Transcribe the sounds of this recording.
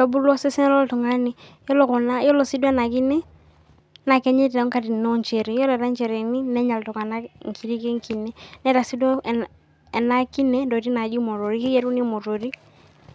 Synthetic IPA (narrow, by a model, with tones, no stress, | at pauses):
ɔ˨bu˦lɔ˦sɛ˦sɛ˦nɛ˦lɔ˦ltɔ˨ŋa˦ni˨jɔ˦lɔ˨kɔ˨na˦jɔ˦lɔ˨si˦dɛ˦na˨ki˦nɛ˦ | na˨kɛ˦ɲɛ˦tɛ˨ɔ˦ŋka˦di˨nɔ˦ɲt͡ʃɛ˨ɾi˨jɔ˦lɛ˨ɾa˦n˦t͡ʃɛ˨ɾɛ˨ni˦nɛ˦ɲa˨ltɔ˨ka˨na˦ŋ̩˨kʰi˨ɾi˦kɛ˦ŋ˦ki˨nɛ˦nɛ˦ɾa˨si˦dɔ˦˨ | ɛ˨na˦ki˦nɛ˦dɔ˨ti˦na˨d͡ʒi˦mɔ˨ɾo˨ɾi˦ki˦jɛ˦ɾu˦ni˦mɔ˨ɾo˨ɾi˦